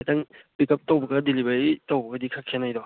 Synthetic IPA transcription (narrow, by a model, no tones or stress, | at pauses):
taŋbikɐp̚tawbɐɡɐdilibaɾitawbɐɡɐdikʰakʰenajdɔ